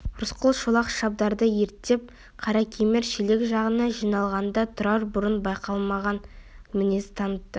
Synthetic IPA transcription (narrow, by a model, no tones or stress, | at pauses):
ʊɾʊsqəlˠʃolˠɑqʃɑb̚d̪ɑɾd̪əjeɾt̪ːe̞p̚ | qʰɑɾɑkʲʰemeɾʃele̞kʲʒɑʁənɑʒijnɑlˠʁɑnd̪ɑt̪ʰʊɾɑɾbʊɾənbɑjqɑlˠmɑʁɑn | mɪne̞sɪ̥t̪ʰɑnət̪ːə